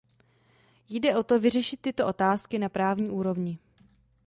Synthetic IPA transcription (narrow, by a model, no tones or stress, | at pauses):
jdɛʔo̞t̪o̞vɪrɛʃɪt̪ːɪt̪o̞ʔo̞t̪aːskɪnapɾaːvɲiːʔuːɾo̞vɲɪ